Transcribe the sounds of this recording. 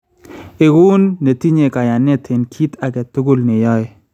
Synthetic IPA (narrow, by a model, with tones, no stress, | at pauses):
e˨ɡu˦nːe˨ti˦ɲe˨ka˨ja˨ne˦tʰe˨nkʰi˦ta˨kɛ˨tʊ˦ɡʊ˦lne˨jɔ˦˨